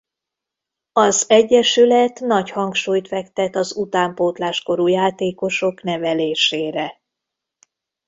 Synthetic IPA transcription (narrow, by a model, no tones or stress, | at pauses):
ɒzɛɟːɛʃylɛt̪nɒchɒŋkʃuːjt̪fɛkt̪ɛt̪ɒzut̪aːmpoːt̪laːʃko̞ɾuːjaːt̪eːko̞ʃo̞knɛvɛleːʃeːɾɛ